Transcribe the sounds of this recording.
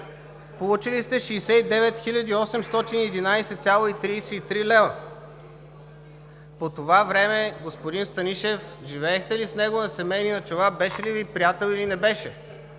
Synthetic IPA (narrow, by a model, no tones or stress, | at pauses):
polˠut͡ʃilist̪ɛʃiːsɛid̪ɛvɛt̪xilʲɐd̪iːɔsɛmst̪ɔt̪iniɛd̪inajsɛt̪sʲalˠoit̪ɾiːsɛit̪ɾilɛvˠə | pot̪ovavɾɛmɛɡospod̪inst̪ɐniʃɛfʒivɛːxt̪ɛlisnɛɡonɐsɛmɛjninɐt͡ʃovabɛʃɛlivipɾijat̪ɛlˠilinɛbɛʃɛ